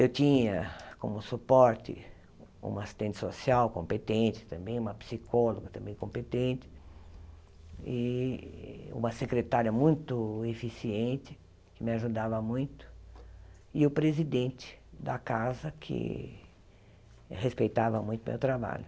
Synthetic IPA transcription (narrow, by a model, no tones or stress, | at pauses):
ewt͡ʃĩɲɐkõ̰mʊsupɔɾt̪ɪ̰ | ṵ̃mɐasi̥st̪ẽnt̪ɪ̥sosiawkõmpet̪ẽt͡ʃ̪ɪ̥t̪ɐ̃mbẽj̃ũmɐpsikʰɔloɡɐt̪ɐ̃mbẽj̃kõpet̪ẽnt͡ʃ̪ɪ̥ | ɪ | ṵ̃mɐsekɾet̪aɾjɐmũj̃t̪ʊefisiẽnt͡ʃɪ | kɪmɪaʒud̪avɐmũj̃t̪ʊ̥ | ɪʊpɾezid̪ẽnt͡ʃ̪ɪ̥d̪ɐkazɐkʰɪ̰ | hespejt̪avɐmũj̃t̪ʊmḛwt̪ɾaba̰ʎʊ